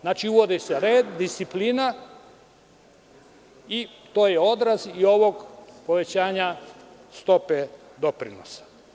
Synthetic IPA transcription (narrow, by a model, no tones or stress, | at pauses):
znaːt͡ʃiuʋo̞d̪iseɾeːd̪ːist̪ipliːna | i | t̪o̞ːjeo̞d̪ɾazio̞ʋo̞ɡpo̞ʋe̞t͡ɕaːɲast̪o̞pe | d̪o̞pɾino̰sḁ